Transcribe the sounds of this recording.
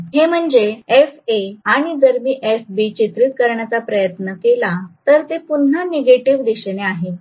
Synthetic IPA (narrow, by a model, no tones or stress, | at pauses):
ɦem̤əɳd͡zeefeaɽ̃id̪əɾmiːʔefbit͡ɕit̪ɾit̪̚kəɾɳjat͡sapɾəjət̪nəkelat̪əɾt̪epun̤ːaneɡeʈiʋd̪iɕeneaɦe